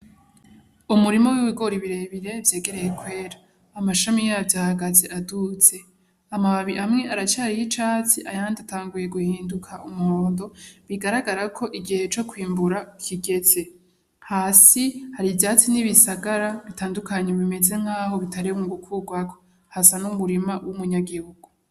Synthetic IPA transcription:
umuɾimo̞wiβiɡo̞ɾiβiɾe̞βiɾe̞vje̞ːɡe̞ɾe̞je̞kwe̞ːɾaː | maʃamijaavjaːhaɡazeʔadut͡se̞ | amaβaβiʔamŋe̞ʔaɾat͡ʃaːɾijit͡ʃaːt͡siʔajandataːŋɡuje̞ɡuhiːndukʰaʔumuhoːndo̞βiɡaɾaɡaɾakʰo̞ʔiɡihe̞t͡ʃo̞kwiːmbuɾakʰiɡe̞ze̞ | haːsihaɾivjaːt͡siniβisaɡaɾaβitaːndukʰaɲe̞βime̞d͡ze̞ŋ̥haːho̞βitaɾiβumɡukʰuɡwako | hasanumuɾimawʔumuɲaɡihuɡ̥u

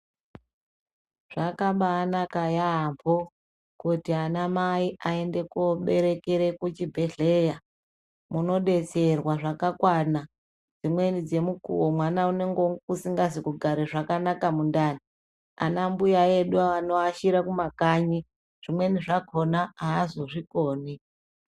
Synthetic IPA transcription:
ʐ̥akamɓaːnakajaːmpo | kutianamaiʔae̞nde̞koɓe̞ɾe̞keɾe̞kut͡ʃibʱe̞ɮe̞ja | muno̞ɗe̞t͡se̞rwaʐakakwana | d͡zimwe̞nid͡ze̞mukṵwomwanaune̞ŋɡokusiŋɡas̬ikuɡʱaɾeʐakanakamundaːni | a̰nambujaeɗuaanoaʃiɾakumakaːɲi | ʐ̥imwe̞niʐako̞naaːzo̞ʐikoːni

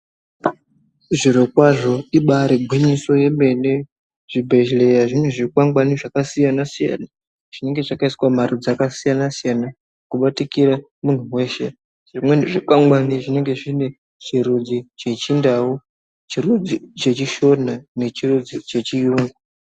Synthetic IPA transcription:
ʐiɾokwaʐo̞iɓaɾeɡʱwiɲiso̞je̞me̞ne | ʐ̥ibʱe̞ʒle̞jaʐinuʐikwaŋɡwaniʐakasijanasija̰na | ʐ̥ine̞ŋɡe̞ʐakaisiwamaɾud͡zakasijanasijana | kuɓatikiɾa | mun̤uwe̞ʃe | ʐ̥imweneʐikwaŋɡwaniʐine̞ŋɡe̞ʐine̞ | t͡ʃiɾud͡zit͡ʃe̞t͡ʃindau | t͡ʃiɾud͡zit͡ʃe̞t͡ʃiʃo̞nane̞t͡ʃirud͡zit͡ʃe̞t͡ʃijuːŋɡu

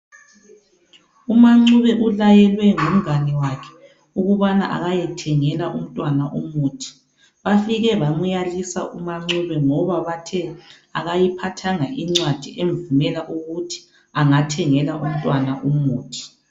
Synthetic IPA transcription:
umaŋ͡ǀuβɛʔulajɛlwɛŋom̩ɣanɛwakʰɛ̥ | uɣuβana̰ʔa̰ɣajɛtʰɛŋɛlaʔum̩tʼwanaʔumuːtʰi̥ | βafiɣɛβamujalisaʔumaŋ͡ǀuβɛŋɔβaβatʰɛ | aɣajipʰatʰaŋaʔiŋ͡ǀwad̥ʱiʔeɱvumɛlaʔuɣutʰi̥ | aŋatʰɛŋɛlaʔum̩tʼwanaʔumuːtʰi̥

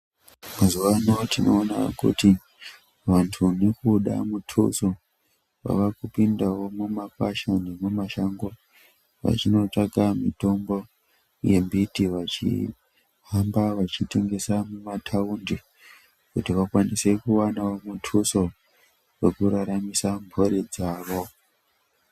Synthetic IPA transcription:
mazuʋanotino̞ːna̰kṵti | ʋantʰunekuɗa̰mutʰṵso | wa̰ʋakupindawo̞mumapaʃanemumaʃaŋɡo | ʋa̰t͡ʃino̞taɡamito̞mbo̞ | je̞mbitiʋat͡ʃḭ | ɦambaʋat͡ʃite̞ŋɡe̞samumatʰaundi | kutiʋakwanise̞kuwanawo̞mutʰuso̞ | we̞kuɾaɾamisambʱo̞ɾed͡zaːʋo̞

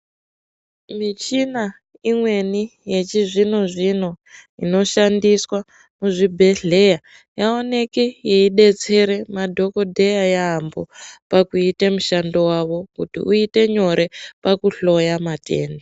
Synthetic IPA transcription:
mit͡ʃina | imwe̞nije̞t͡ʃiʐinoʐin̤oino̞ʃandiswa | muʐibʱe̞ɮe̞ja | jaone̞kejeiɗe̞t͡se̞ɾe̞madʱo̞ko̞dʱe̞jajaɦːmbopakuitemuʃando̞waʋo̞kutḭʔuite̞ɲo̞ɾʔe̞pakuɬo̞jamatʰḛːnda

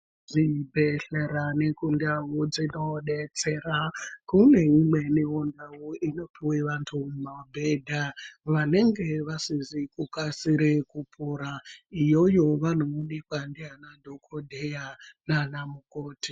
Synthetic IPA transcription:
d͡zibʱeɬeɾanekundawud͡zinoɗet͡serakune̞imwe̞niondawuino̞pʰiweʋantʰumumabʱedʱaʋane̞ŋɡe̞ʋasizikukasiɾekupʰuɾaijojo̞ʋan̤uunikwandianadʱokʰodʱejananamukoːti

